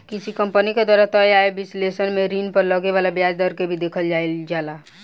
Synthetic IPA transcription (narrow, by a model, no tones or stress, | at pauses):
kisikəmpəniked̪waːɾat̪əjaebɪslesənmeɾinpəɾləɡeʋalabjad͡ʒd̪əɾkebʱid̪eːkʰəld͡ʒaeld͡ʒaːla